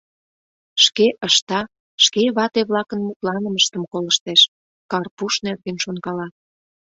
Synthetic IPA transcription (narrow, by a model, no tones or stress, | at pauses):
ʃkeʔəʃt̪ɑ | ʃkeβɑt̪eβlɑkənmut̪lɑnəməʃt̪əmkoləʃt̪eʃ | kɑrpuʃnerɣenʃonɣɑlɑ